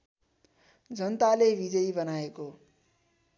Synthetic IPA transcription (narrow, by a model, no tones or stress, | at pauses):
d͡zʌnt̪alebʱid͡zʌibʌnaeko